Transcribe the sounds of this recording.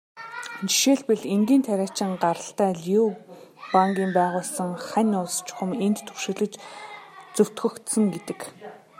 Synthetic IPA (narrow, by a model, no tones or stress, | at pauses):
nt͡ɕi̥ʃeːɮpɘ̆ɮeŋɡiːnt̪ʰæɾʲaːt͡ɕɪ̆ŋɢaɾə̆ɬt̪æːɮiupaŋɡʲiːmpæːʁʊːɮsə̆ŋχænʲʊs̆t͡ɕχʊ̆ment̪ːʰɵwʃĕːɮɘ̆t͡ɕ | t͡sɵw̥t̪xɵ̆xt̪sə̆ŋɡet̪ɘ̆k